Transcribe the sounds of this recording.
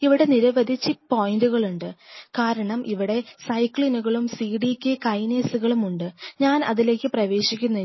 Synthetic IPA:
iʋiɽe̞niɾɐʋɐd̪ʱit͡ɕːɨpːo̞ːjinduɣɐɭuɳɖɨkaːɾɐɳɐmʔiʋiɽe̞sɐjkɭinuɣɐɭumsiːɽikʲːekɐjneːsuɣɐɭumuɳɖɨɲaːnɐ̰ðile̞ːkʲːɨprɐʋe̞ːɕikʲːunːɐ

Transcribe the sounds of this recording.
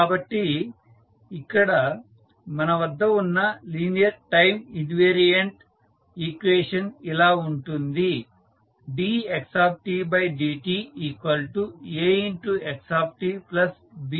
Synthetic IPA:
kaːbɐʈːi | ikːɐɽɐ | mɐnɐʋɐd̪ʱːɐunːɐliːnijɐɾʈɐjminʋeːɾijɐɳʈ | iːkʋeːʂɐnilaːuɳʈund̪i | biːeksaːp̚ʈiːbɐjɖiːʈiːiːkʋɐlʈueːiɳʈueksaːp̚ʈiːplɐs | bi

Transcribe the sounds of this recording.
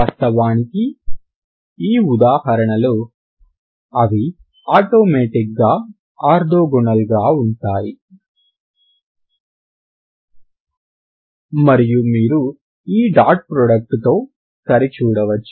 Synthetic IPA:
ɐst̪ɐʋaːniki | iːud̪aːhɐɾɐɳɐlu | ɐʋi | aːʈoːmeːʈik̚ɡaː | aːɾd̪oːɡuɳɐlɡaːuɳʈaːji | mɐɾijumiːɾu | iːɖaːʈ̚pɾɔːɖɐk̚ʈt̪o̞ː | sɐɾit͡ʃuːɽɐʋɐt͡ʃːu̥

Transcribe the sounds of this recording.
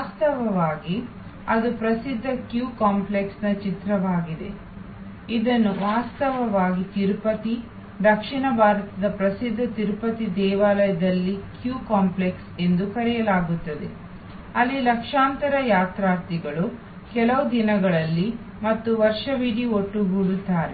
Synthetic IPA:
aːst̪ɐʋɐʋaːɡi | ɐd̪upɾɐsid̪ʱːɐkjuːkaːmpleksnɐt͡ʃit̪ɾɐʋaːɡid̪e̞̰ | id̪ɐnːuʋaːst̪ɐʋɐʋaːɡit̪iɾpɐt̪i | d̪ɐkʂiɳɐbʱaːɾɐt̪ɐd̪ɐpɾɐsid̪ʱːɐt̪iɾpɐt̪id̪ɛːʋaːlɐjɐd̪ɐlːikjuːkaːmplekse̞nd̪ukɐɽɛjɐlaːɡut̪ːɐd̪e̞̰ | ɐlːilɐkʂaːnt̪ɐɾɐjaːt̪ɾaːɾt̪iɡɐɭu | kɛlɐʋud̪inɐɡɐɭɐlːi | mɐt̪ːuʋɐɾʂɐʋiɽioʈːuɦuɽut̪ːaːɾe

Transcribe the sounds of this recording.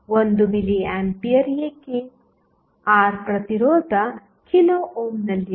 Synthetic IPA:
wond̪umiliaːmpiɐɾjekiŋ | aːɾpɾɐt̪iɾɔːd̪ʱɐ | kʰinoːʔoːmnɐlːi

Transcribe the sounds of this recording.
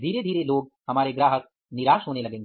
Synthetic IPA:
d̪ʱiːɾed̪ʱiːɾeloːɡhɐmaːɾeɡɾaːɦək̚ | niɾaːʃɦoːnelɐɡẽːŋɡ

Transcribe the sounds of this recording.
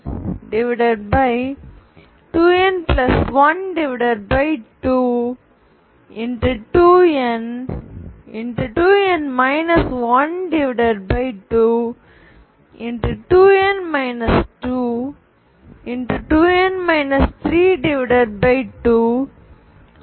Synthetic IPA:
ɖɪʋɪɖəɖ̚baɪ | ʈuːɛ̃nplɐsʋɐ̃nɖɪʋɪɖɐɾbaɪʈuː | ɪ̃ɳʈuʈuːɛ̃n | ɪ̃nʈuʈuːɛ̃nmaɪnɐsʋɐ̃nɖɪʋɪɖɐɖbaɪʈuː | ɪ̃ɳʈuʈuːɛ̃nmaɪnɐsʈuː | ɪ̃nʈuʈuːenmaɪnɐst̪ʰɾiːɖɪʋɪɖəɾbaɪʈuː

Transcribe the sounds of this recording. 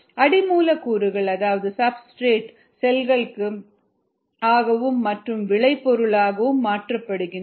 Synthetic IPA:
ɐɽɪmuːlɐkuːɾɯɣɐɭɐðaːʋɐðɯsɐbsʈɾeːʈ | sɛlɣɐɭɯkːɯ | aːɣɐʋɯmːɐʈrɯmʋɪɭɐɪpːɔɾɯɭaːɣɐʋɯmːaːʈrɐpːɐɽɯɣɪn

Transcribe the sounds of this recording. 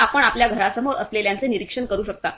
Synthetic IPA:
apəɳapljaɡʱəɾasəmoɾəsleljant͡seniɾikʂəɳkəɾuːɕək̚t̪a

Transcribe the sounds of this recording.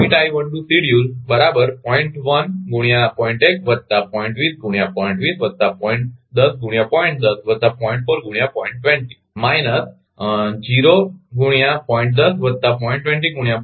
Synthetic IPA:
iʈajʋəɳʈusiɽjulbəɾabəɾpɔiɳʈʋənɡuɽ̃japɔ̃iɳʈek̚ʋət̪t̪apɔjĩɳʈʋiːsɡuɽ̃japɔĩɳʈʋiːsʋət̪ːapɔ̃iɳʈd̪əsɡuɽ̃japɔiɳʈ̚d̪əsʋət̪apɔĩɳʈfoɾɡuɽjapɔĩɳʈ̚ʈʋẽɳʈi | majnəs | d͡ʑiɾoɡuɽ̃japɔ̃iɳʈ̚d̪əsʋət̪ːapɔĩɳʈːʋɛ̃ɳʈiɡuɽja

